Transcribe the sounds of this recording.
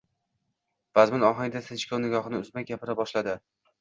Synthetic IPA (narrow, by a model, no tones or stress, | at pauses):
v̥azmɪnɒɦaŋʲd̪asɪt͡ʃkʰʲawnɪɡʲɒχɨnɪʊzmak̚ʲapʰɪɾabɒʃlad̪ɪ